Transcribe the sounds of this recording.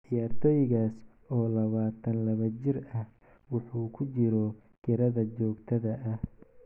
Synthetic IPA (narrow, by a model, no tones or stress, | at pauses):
ʔɪjaːrt̪ʰɔːjɪɣaːs | ɔːlɐβaːt̪ʰɐnlɐβɐt͡ʃɪrɐh | wʊħuːkʰʊt͡ʃɪɾɔ | ɡɪɾɐðɐt͡ʃɔːɡt̪ʰɐðɐʔɐh